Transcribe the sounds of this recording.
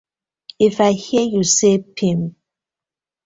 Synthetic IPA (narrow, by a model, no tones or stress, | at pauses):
ifaɪhijusepʰĩm